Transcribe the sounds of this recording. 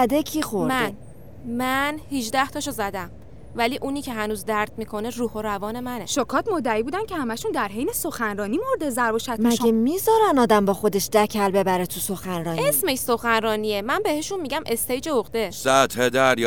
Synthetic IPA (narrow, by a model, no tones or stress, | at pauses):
æd̪ecʰiːxoɾmæn | mænhiʒd̪æht̪ʰɒːʃozæd̪æm | væliːʔuːniːcʰe̞ɦænuːzd̪æɾd̪̥̚miːkʰo̞neruːhoɾævɒːne̞mæne̞ʃokʰɒːt̪mod̪ːæiːbuːd̪æncʲʰehæmæʃund̪æɾɦejnesoxænɾɒːnimoɾd̪ezæɾboʃæt̪mæʃɡemizɒːɾænɒːd̪æmbɒːxo̞d̪eʃd̪æcʰælbe̞bæɾet̪ʰuso̞xænɾɒːnesme̞ʃso̞xænɾɒːniemænbe̞he̞ʃunmiɟæmʔe̞st̪ejd͡ʒeoɣd̪esæt̪hed̪æɾ